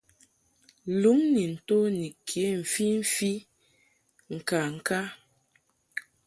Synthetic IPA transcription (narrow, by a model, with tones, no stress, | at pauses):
lu˨˦mni˨n̩˨to˦ni˨kʰje˨˦ɱ̩˨fi˦ɱ̩˦fi˦ | ŋ̩˨ka˨ŋ̩˨ka˦